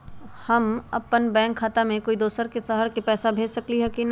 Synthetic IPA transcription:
hɐmɐpːənbɛ̃ːŋkʰːaːt̪amẽkoːid̪oːsəɾkesɐɦəɾkepɛːsabʱeːd͡ʒsɐkliɦɛkin

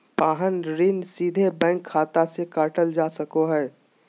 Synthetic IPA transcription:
paːɦənɾinsiːd̪ʱebɛ̃ːŋkʰːaːt̪asekaːʈəld͡ʒaːsəkoɦɛː

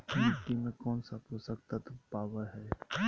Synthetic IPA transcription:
nɪkːimẽkɔːnsapɾosək̚t̪at̪paːʋəɾɦɛː

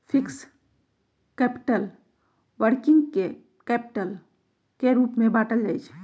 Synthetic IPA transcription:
pʰɪks | kɛːpɪʈəl | ʋəɾkɪ̃ŋɡke | kɛːpɪ̥ʈəl | keɾuːpmẽbaːʈəld͡ʒaːit͡ʃʰ

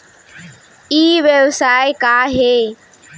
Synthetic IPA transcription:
iːʋjəʋsaːekaːɦeː

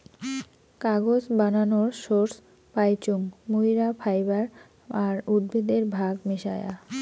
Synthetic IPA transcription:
kaɡod͡ʑbananoɾʃoɾs | pajt͡ɕuŋmujɾapʰajbaɾ | aɾudbid̪eɾbʱaɡmiʃaja̰

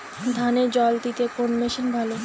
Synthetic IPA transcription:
d̪ʱaned͡ʑɔlt̪it̪ekonmeʃinbʱalo

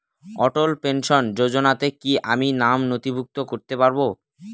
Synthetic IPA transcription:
ɔʈolpenʃond͡ʑod͡ʑonat̪ekiʔaminamnot̪ibʱuk̚t̪okoɾt̪epaɾbo

